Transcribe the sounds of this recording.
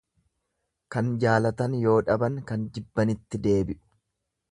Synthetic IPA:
kɐnd͡ʒaːlɐt̪ɐnjo̞ːᶑɐbɐŋkɐnd͡ʒ̪ɪbːɐnɪt̪ːɪd̪e̞ːbɪʔʊ̥

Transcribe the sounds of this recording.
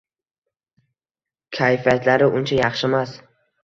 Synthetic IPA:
kʲʰajfijat̪laɾɪʔʊnt͡ʃʰajɑχʃɪmas

